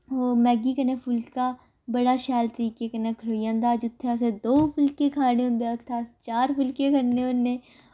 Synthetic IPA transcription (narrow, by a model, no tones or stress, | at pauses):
oːmɛːɡikənepʰʊlkaː | bəɽaːʃɛːlt̪əɾiːkekənekʰəɽoːjãːnd̪aːd͡ʒʊt̪ʰːeas̬ed̪oːpʰʊlkekʰaːɽẽɦʊ̃nd̪et̪ʰːaːst͡ʃaːɾpʊlkekʰənneʊnːẽː